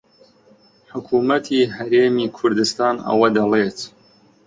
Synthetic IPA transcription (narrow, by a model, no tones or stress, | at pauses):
ħʊkʰuːmɐt̪ʰiːɦɐɾeːmiːkʰʊɾd̪ɨst̪aːnɐ̰wɐd̪ɐlˠeːt̪